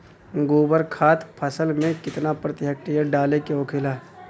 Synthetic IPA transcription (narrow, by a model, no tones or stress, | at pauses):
ɡoːbəɾkʰaːt̪pʰəsəlmẽkɪt̪napɾət̪ɪjək̚ʈijaɖaːlekeoːkʰeːlaːɦ